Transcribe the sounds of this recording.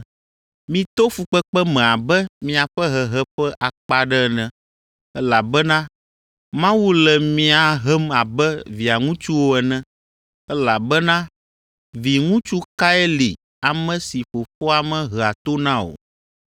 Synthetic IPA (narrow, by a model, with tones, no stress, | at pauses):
mĩ˨t̪o˦fu˨k͡pɛ˦k͡pɛ˦mɛ̃˨a˨bɛ˦mĩ˦a˨ɸɛ˦ɦɛ˨ɦɛ˦ɸɛ˦ʔa˨k͡pa˨ɖɛ˦˨nɛ̃˦ | ɛ˦la˨bɛ˦nã˦ | mã˦wu˦lɛ˨mĩ˦a˨ɦɛ˦ma˨bɛ˦vi˨a˨ŋũ˦t͡ʃu˦wo˦ɛ˨nɛ̃˦ | ɛ˦la˨bɛ˦nã˦ | vi˨ŋũ˦t͡ʃu˦ka˦ɛ˦li˨ | a˨mɛ̃˨si˨ɸo˨fo˦a˨mɛ̃˦˨ɦə˨a˨t̪o˦nã˦o̰˨